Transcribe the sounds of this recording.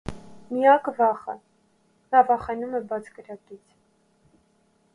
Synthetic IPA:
mijɑkvɑχə̰ | nɑvɑχɛnumɛbɑt͡sʰkəɾɑkit͡sʰ

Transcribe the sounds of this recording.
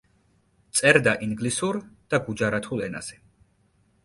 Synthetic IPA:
t̪sʼɛɾd̪aʔiŋɡlisuɾd̪̥aɡud͡ʒaɾat̪ʰulˠɛ̰na̰z̥ɛ

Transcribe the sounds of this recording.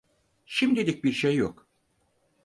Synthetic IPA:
ʃimd̪ilʲic̚biɾʃejːo̰k

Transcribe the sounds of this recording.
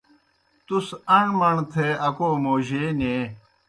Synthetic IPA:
t̪usɐɳmɐɳt̪ʰeɐkoːmoːʑeːneː

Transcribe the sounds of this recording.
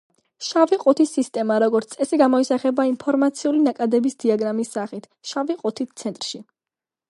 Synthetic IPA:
ʃaviqʼut̪ʰisːist̪ʼɛmaɾɔɡɔɾt̪ʼɛsiɡamɔisaχɛbainpʰɔɾmat̪sʰiulinakʼad̪ɛbisd̪iaɡɾamisːaχit̪ʰʃaviqʼut̪ʰit̪̚ʰt̪sʰɛnt̪ʼɾʃi

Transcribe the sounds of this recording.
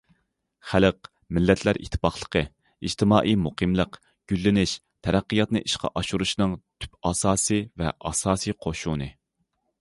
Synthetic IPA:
χæləq | mɪlːɛt̪ʰlæɾʔḭt̪ʰːɪ̥pɑχlˠə̥qʰə | id͡ʒt̪ʰɪmɑːʔijmuqʰɨmlˠəq | ɡ̥ʲylːɪnɪʃ | t̪ʰɛɾæqːijɑt̪nɨʔiʃqʰɑ̰ʔɑʃuɾuʃnɨŋt̪ʰy̥pɑsɑːsɨvɛ̰ʔɑ̰sɑːsɨqʰoʃunɨ

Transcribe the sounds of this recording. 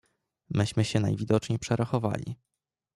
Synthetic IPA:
mɘɕmɘɕɛna̰jvʲid̪ɔt͡ʂɲejpʂɛɾʔaxɔva̰lʲḭ

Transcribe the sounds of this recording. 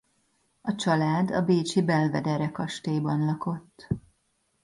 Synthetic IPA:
ɒt͡ʃɒlaːd̪ɒ̰beːt͡ʃibɛlvɛd̪ɛɾɛkɒʃt̪eːbɒnlɒko̞t̪ː

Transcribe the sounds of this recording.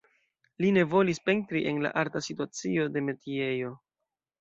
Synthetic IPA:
line̞vo̞lispe̞ntɾiʔe̞nla̰ʔaɾtasituat͡sio̞de̞me̞tʰie̞jo̞

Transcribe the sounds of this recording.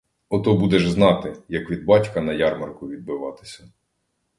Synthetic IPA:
ɔt̪ɔbud̪ɛʒznɑt̪ɪjɐkʋʲid̪̚bɑtʲkɐnɐjɑrmɐrkʊʋʲid̪̚bɪʋɑt̪ɪ̥sʲɐ

